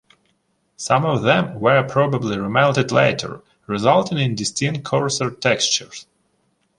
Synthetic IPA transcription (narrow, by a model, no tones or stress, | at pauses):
sʌ̃mɔvðɛ̃mwə˞pʰɹ̥ɔbəbliɹɪmãʊ̃ntɨdlḛɪtə̰˞ | ɹɪzʌlˠtɪ̃ŋɪ̃ndɪstɪ̃ŋkʰɔɹsə˞tʰɛkst͡ʃəɹz̥